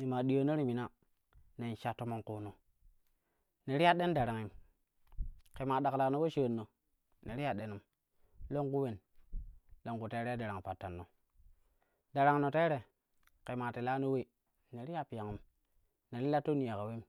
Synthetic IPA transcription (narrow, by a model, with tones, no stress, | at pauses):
ni˨ma˨di˨jo˨no˦ɾi˦˨mi˨na˦ | ne˨n˨ʃa˨to˦mo˦ŋku˨no˨ | ne˨ɾi˦a˦ɗe˦nda˨ɾa˨ŋi˨m | ke˨ma˨da˨kla˨no˦we˦ʃə˦˨nːo˨ | ne˨ɾi˦ja˨ɗe˨nu˨m | lo˦ŋku˦we˨n | lo˦ŋku˨te˦ɾe˦da˨ɾa˨ŋ˨pa˨tːa˨nːo˨ | da˨ɾa˨ŋ˨no˨te˦ɾe˨ | ke˨ma˨ti˨la˦no˦we˦˨ | ne˨ɾi˦ja˦pi˨ja˨ŋi˨˦m | ne˨ɾi˦la˦tːo˦ni˨ja˨ka˨we˦